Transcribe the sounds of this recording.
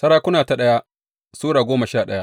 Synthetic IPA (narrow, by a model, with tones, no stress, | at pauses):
sɐ˦ɽaː˦kʷʊ˦naː˨ta˨ɗɐ˦ja˦ | suː˦ɽaː˨ɡʷoː˦mɐ˨ʃaː˦˨ɗɐ˦ja˦